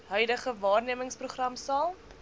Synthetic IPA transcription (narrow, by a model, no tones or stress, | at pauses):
ɦœɥdəχəvɑːrniəməŋspruχrɐmsɑːlˠ